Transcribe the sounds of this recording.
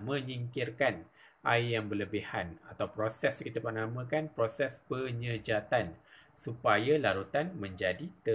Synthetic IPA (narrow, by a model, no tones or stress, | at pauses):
mə̃ɲiŋkirkan | ʔajjaŋbərləbihanat̪awpɾosɛskit̪apənamə̃kanpɾosɛspəɲəd͡ʒat̪ansupajalaɾut̪anmə̃ɲd͡ʒadit̪ə